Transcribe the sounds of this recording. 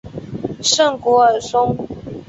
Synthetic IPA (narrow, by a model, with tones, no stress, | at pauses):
ʂə˥˩ŋkwɔ˧˥ə˨˩sʊ˥ŋ